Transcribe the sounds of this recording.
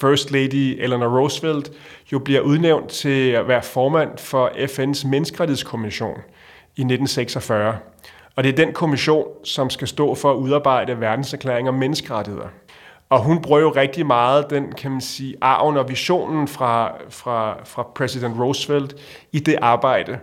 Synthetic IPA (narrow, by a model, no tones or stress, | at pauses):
fɶɐsd̥leɪd̥ielænʁosfeld̥jo̝b̥liɐ̰ʔuð̞ˠneʊ̰nd̥t͡sʰe̝lʋæːɐfɒːmæn̰fɒ̽ʔefensmenəsɡ̥əʁäɾiheskʰo̝miɕo̝̰ːn | ine̝d̥n̩seɡ̥sɒfɶɐ | ɒ̽d̥e̝æɐd̥enkʰo̝miɕo̝̰ːnsɒ̽msɡ̥æsd̥ɔ̰̽ːfɒ̽æuð̞ˠɑ̈ːb̥ɑ̈ɪ̰d̥əʋæɐd̥n̩sæɐkʰlḛɐeŋɒmːenəsɡ̥əʁad̥ihe̝ð̞̰ˠɐ | ɒ̽ɦunb̥ʁuɐ̰jo̝ʁɛɡ̥̚d̥imɑ̈ːð̞̩ˠd̥enkʰæmænsiːʔɑ̰̈ʊnɒ̽ʋiɕo̝̰ːnn̩fʁɑ̈fʁɑ̈fʁɑ̈pʰʁɛsid̥end̥ʁosfeld̥ | id̥e̝ʔɑ̈ːb̥ɑ̈ɪ̰d̥ə